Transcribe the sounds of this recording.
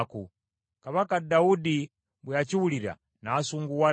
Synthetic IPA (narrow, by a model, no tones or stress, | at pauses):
ku | kaβakadaudi | mbwiat͡ʃiwuliɾa̰ | naːsuŋɡuwa